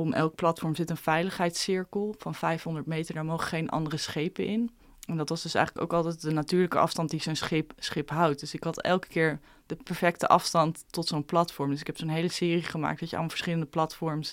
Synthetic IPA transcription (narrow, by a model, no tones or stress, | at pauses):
ʔɔmɛ̰lˠk̚plɑtfɔɹmzɪtənvɛjləχɦɛjtsɪɹkəlˠvɑnvɛjfɦɔndəɹtmejtəɹdaːɹmowχχejnʔɑ̰ndərəsχejpənʔɪn | ɛndɑtʋɑzdɵsɛ̰jχləko̰wkɑlˠtɛt̚dənatyːɹləkə̰ʔɑ̰fstɑnt̚dizonsχɪpsχɪpɦɑwt̚dɵsɪkɦɑtɛ̰lˠkə̥kɪːɹ | dəpɛɹfɛktə̰ʔɑfstɑntːɔtsownplɑtfɔɹmdɵs̬ɪ̥kɦɛpsonɦejləsɪːriχəma̰ːk̚dɑəɑ̰lˠmɑlˠvə̥ɹsχɪləndəplɑtfɔɹms